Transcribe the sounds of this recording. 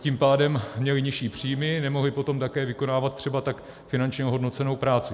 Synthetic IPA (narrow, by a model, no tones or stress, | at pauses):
cimpaːdɛmmɲɛlɪɲɪʃiːpr̝̥ijmɪnɛmo̞ɦlɪpo̞t̪o̞mt̪akɛːvɪko̞naːvat̪̚t̪ːr̝̥ɛbat̪ak | fɪnant͡ʃɲɛoɦo̞dno̞t͡sɛno̞wpɾaːt͡sɪ